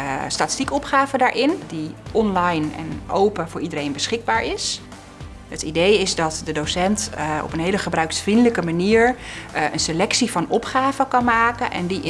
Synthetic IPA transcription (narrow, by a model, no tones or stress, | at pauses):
staːtɪ̥stikɔpχaːvədaːɹʔɪndiʔɔnlajnɛ̰nowpəvʊːɹidəɾejnbəsχɪɡ̚baːɹɪs | ətidejɪzdɑtdədosɛntɔ̰pənɦejləχəbrœɥksfrindələkəmaniːɹə̰nselɛksivɑnɔpχaːvəkɑnmaːkənʔɛ̰ndiʔɪ